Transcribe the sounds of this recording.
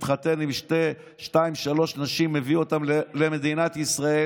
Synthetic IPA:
t̪χat̪enimʃte | ʃtaimʃalo̞ʃnaʃimːe̞viot̪amleme̞d̪inat̪isʁae

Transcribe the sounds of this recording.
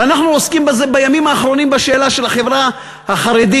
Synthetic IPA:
anaχnuoskimbazebajamimaːχɾo̞nimbaʃe̞ːlaʃe̞laχe̞vʁa | haχaɾed̪i

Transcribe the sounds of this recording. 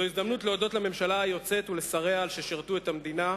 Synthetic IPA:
oizd̪amnut̪leo̞do̞tlame̞mʃalajo̞t͡se̞t̪ule̞saʁeaːlʃeʃiʁt̪ue̞t̪amd̪ina

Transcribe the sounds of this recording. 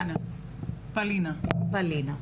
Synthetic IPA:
nɐ | pɐlinɐpalinɐ

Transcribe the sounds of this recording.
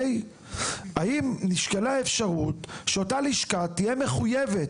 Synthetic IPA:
j | aimniʃkelaefʃaʁutʃeo̞taliʃkatijeme̞χujevet

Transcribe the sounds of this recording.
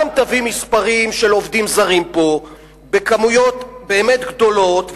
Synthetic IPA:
amt̪avimispaʁimʃelo̞vd̪imzaʁimpo̞ | be̞kamujo̞t̪be̞ːme̞t̪ɡd̪o̞lo̞t̪

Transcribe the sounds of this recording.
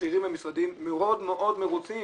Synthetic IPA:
iʁimvemisʁad̪imːeo̞d̪meʔo̞d̪meʁut͡si

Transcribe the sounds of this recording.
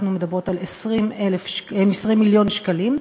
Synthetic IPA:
numed̪abʁo̞talesʁimelefʃemesʁimːiljo̞nʃkalim

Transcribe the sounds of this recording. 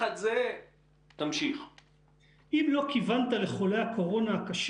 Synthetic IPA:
at̪ze | t̪amʃiχ | ʔimlo̞kivant̪ale̞χo̞lehakʰo̞ʁo̞naːkaʃ

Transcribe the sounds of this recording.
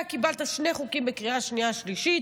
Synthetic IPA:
kibalt̪aʃneχukimbekʁiaʃniaʃliʃit

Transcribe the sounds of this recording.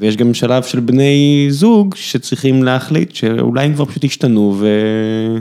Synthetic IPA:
vejeʃɡamʃalavʃelbne̞jzuɡʃet͡sʁiχimleaχlitʃeṵlajemkvaʁpaʃuthiʃtanuve

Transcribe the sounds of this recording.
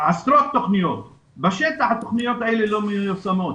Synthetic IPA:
ast̪ɾot̚t̪ːoχnijot̪̚ | baʃet̪aħat̪oχnijot̪aelelomejujusamo̞t̪

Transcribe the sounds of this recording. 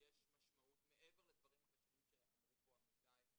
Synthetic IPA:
jeʃmaʃmaʔut̪me̞ʔeveʁled̪vaʁimhaχaʃanimʃeamʁupoamid̪aj

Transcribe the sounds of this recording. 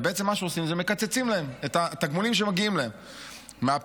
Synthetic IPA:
beet͡se̞mːaʃeosimzeme̞kat͡set͡simlae̞met̪aet̪aɡmulimʃ̬emaɡiimlaemː | eap

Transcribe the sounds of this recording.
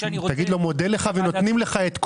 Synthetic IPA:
t̪aɡid̪lo̞mo̞deleχaveno̞t̪nimle̞χaet̪k

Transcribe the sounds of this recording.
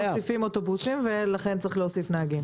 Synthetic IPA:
sifimoto̞busimvelaχent͡sʁiχleosifnaaɡim

